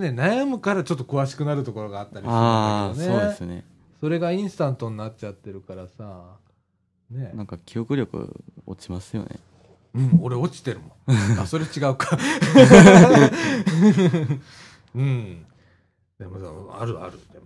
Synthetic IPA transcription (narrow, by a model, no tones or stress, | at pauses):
ne̞najamɯ̟kaɾat͡ɕo̞t̪ːokɯ̟βaɕi̥kɯ̟naɾɯ̟t̪o̞ko̞ɾo̞ɡaːt̪ːaɾʲiaed̪oneoːd̪esɨnḛ | so̞ɾe̞ɡaĩɰ̃sɨ̥t̪ãnt̪o̞ɲ̟inatt͡ɕat̪ːe̞ɾɯ̟kaɾasa | ne̞nãŋkakʲiokɯ̟ɾʲo̞kɯ̟̰o̰t͡ɕimasɨjo̞̰nḛ | ɯ̟̃ɴo̞ɾe̞o̞t͡ɕi̥t̪e̞ɾɯ̟mõaso̞ɾe̞t͡ɕiɡaɯ̟ka | ɯ̟̃ɴ | d̪amaza̰a̰ɾɯ̟a̰ɾɯd̪em